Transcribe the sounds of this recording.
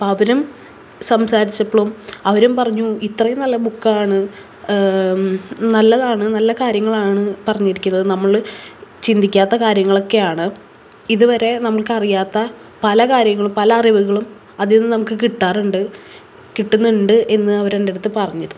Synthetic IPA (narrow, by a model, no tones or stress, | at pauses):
pɐʋɐɾum | sɐmsaːɾit͡ɕːɐpːoɭomɐʋɐɾumpɐrɐɲːuit̪rɐjumnɐlːɐbukːaːɳɨ | nɐlːɐðaːɳɨnɐlːɐkaːɾjɐŋːɐɭaːɳɨpɐrɐɲːiɾikʲːunːɐðɨnɐmːɐɭt͡ɕind̪ʱikʲːaːt̪ːɐkaːɾjɐŋːɐɭo̞kːe̞jaːɳɨ | iðuʋɐɾe̞nɐmːɐɭkɨɐrijaːt̪ːɐ | pɐlɐkaːɾjɐŋːɐɭumpɐlɐriʋuɣɐɭum | ɐðenːɨnɐmukːɨkiʈːaːruɳɖɨ | kiʈːunːuɳɖɨʔe̞nːɨɐʋɐɾendeɽɐt̪ːɨpɐrɐɲːɐðɨ